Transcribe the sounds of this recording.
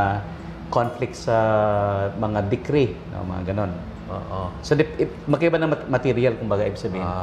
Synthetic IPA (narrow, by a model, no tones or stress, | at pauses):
konflɪk̚t̪sɐ | mɐŋad̪ɪkɾino̰mɐ̰ŋa̰ɡɐno̞n | oʔosod̪ɪpʔ | mɐkɐʔɪbanɐmɐt̪iɾɪalkʊmbaːɡaʔɪbsɐbiːhɪn